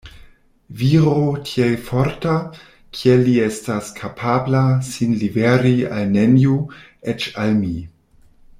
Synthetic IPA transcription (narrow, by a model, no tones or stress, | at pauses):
viɾotʰiejfoɾta | kʰieliestaskʰapʰablasinliveɾia̰lneniu | et͡ʃalmi